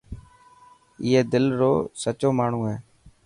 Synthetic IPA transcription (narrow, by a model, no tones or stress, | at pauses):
ɪːɦeːd̪ɪlɾoːsət͡ʃoːmaːɳ̤ũːɦɛː